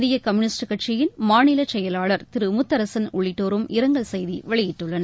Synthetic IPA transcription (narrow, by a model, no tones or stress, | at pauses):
ðɪjɐkɐmɯnɪsʈɯkɐʈt͡ʃɪjɪnmaːnɪlɐt͡ʃɛjɐlaːɭɐɾt̪ɪɾɯmʊt̪ːɐɾɐsɐnʊɭːɪʈːoːɾɯmʔɪɾɐŋɡɐɭsɛjðiʋɐɭɪjɪʈːɯɭːɐnɐ